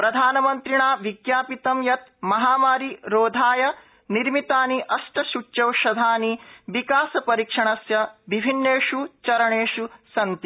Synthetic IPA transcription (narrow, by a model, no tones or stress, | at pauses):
pɾɐd̪ʱaːnɐmɐnt̪ɾiɳaːʋiɡjaːpit̪ɐmjɐt̪mɐɦaːmaːɾiɾoːd̪ʱaːjɐ | niɾmit̪aːniʔɐʃʈɐʃut͡ʃɐwʃɐd̪ʱaːniʋikaːsɐpɐɾikʂɐɳɐsjɐʋibʱinːeːʂut͡ʃɐɾɐɳeːʂusɐnt̪i